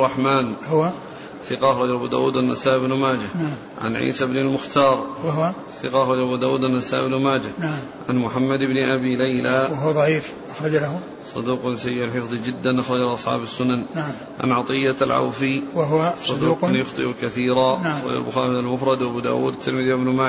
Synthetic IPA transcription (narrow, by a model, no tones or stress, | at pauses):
rˤːɑħmaːnhʊa | θɪqɑʔaxɾˤɑd͡ʒalʔabuːd̪a̰ːwṵːd̪anːasaːʔɪbnʊmaːd͡ʒan | ʕa̰nʕḭːsabnalmʊxt̪ɑːɾˤwɦa | θɪqɑʔaxˤɑd͡ʒaʔabuːd̪aːwuːd̪anːasaːʔnmaːd͡ʒana | ʕa̰nmʊħamːad̪ɪbnɪʔabilajlawaɦðˤɑʕiːf | ʔaxɾˤɑd͡ʒlah | sˤɑ̰d̪uːqnsajːɪʕalħɪfðˤid͡ʒɪd̪ːanʔaxɾˤɑd͡ʒalʔɑsˤħɑ̰ːbasːʊnann | ʕa̰nʕɑt̪ˤɨjːaalʕa̰wfiwaɦʊwasˤd̪uːqanjʊxt̪ˤɨ̰ʔukaθiːɾaxɾˤɑ̰d͡ʒa̰lbʊxaːɾialmʊfɾˤɑd̪wʔabuːd̪a̰ːwṵːd̪at̪ʰːɪlmɪðiwabnmaː